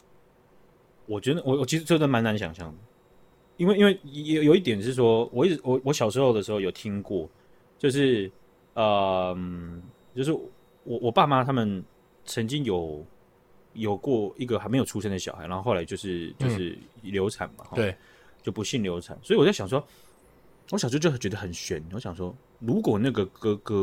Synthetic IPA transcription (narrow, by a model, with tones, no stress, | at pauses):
wɔ˨˩t͡ɕɥɛ˧˥d̪ə˨wɔ˨˩wɔ˨˩t͡ɕʰi˧˥˧t͡snma˧˥na˧˥nɕ̬jɑ̰˨˩ŋɕjɑ˥˩ŋə˩ | i˥nwe˥˩ɪi˥nwe˥˩ɪ˨jjo˨˩ʊi˥˩t̪jɛ˨˩nʂɻ̩˥˩ʂ̬wɔ˥wʔɔ˨˩i˥˩ʈ͡ʂɻ̩˧˩wɔ˨˦wɔ˧˥ɕjɑ˨˩ʊʂɻ̩˧˥xo˥˧ʊd̪ə˩ʂɻ̩˧˥xo˥˧ʊjo˨˩ʊt̪ʰi˥ŋkwɔ˥˩ | t͡ɕjo˥˧ʊʂ̬ɻ̩˥˩ | ə˨mt͡ɕjo˥˧ʊʂ̬ɻ̩˥˩ | wɔ˨˩wɔ˨˩pa˥˩ma˦t̪ʰa˥mə˨n | t͡sʰə˧˥ŋt͡ɕi˥ŋjo˨˩ʊ | jo˨˩ʊkwɔ˥˧i˥˩ɡə˨xa˥ɪme˧˥jo˨˩ʈ͡ʂʰu˥ʂ̬ə˥nd̪ə˩ɕɑ˨a˧˥n˧˥xla˧˥t͡ɕjʊʂɻ̩˥˩t͡ɕjo˥˧ʊʂɻ̩˥˩ljo˧˥ʊt͡sʰa̰˨˩˦nmɐ̰˩xɔ˥˧˩ | t͡ɕjo˥˩ʊpu˧˥ɕi˥˩nljo˧˥ʊt͡sʰa̰˨˩nswi˨wɔ˨˩t͡sa˥˩ɕɑ˨˩ŋʂ̬wɔ˥ | wɔ˧˥ɕɑ˨˩t͡ɕ̬t͡ɕt͡ɕɥɛ˧˥d̪ə˧xə˨˩nɕɥɛ˨˩n˨˦wɔ˧˥ɕjɑ˨˩ŋʂwɔ˥ | ɻu˧˥kwɔ˨˩na˥˩ɡə˩kɤ˥kɤ˥